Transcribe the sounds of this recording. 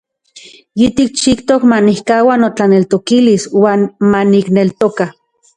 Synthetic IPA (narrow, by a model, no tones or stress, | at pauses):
jit̪ik̚t͡ʃikt̪okmanihkaːwanot͡ɬanelt̪okiliswaːnmaniknelt̪oka